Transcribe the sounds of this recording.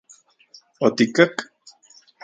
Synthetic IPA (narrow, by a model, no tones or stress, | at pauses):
ot̪ikak | h